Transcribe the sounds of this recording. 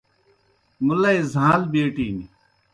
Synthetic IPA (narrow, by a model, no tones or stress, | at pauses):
mulɐezãːlbeːʈiːni